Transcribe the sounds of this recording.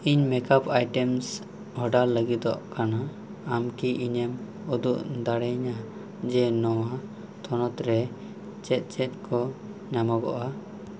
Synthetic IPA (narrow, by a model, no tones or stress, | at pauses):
iɲmɛkapajʈɛms | hɔɖaɾləɡit̪̚d̪ɔ̰ʔkanaː | mkiʔiɲɛm | ɔd̪uʔd̪aɽɛɲa | d͡ʒɛnɔwa | t̪ʰɔnɔt̪ɾɛ | t͡ʃɛt̪̚ˀt͡ʃɛt̪̚kʰɔ | ɲamaɡɔ̰ʔa